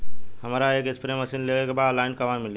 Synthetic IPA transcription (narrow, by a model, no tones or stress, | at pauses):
həmɾaeːkɪspɾeməsiːnleɡekebaːd̪əlaːɪɳɖkɐʋanmɪl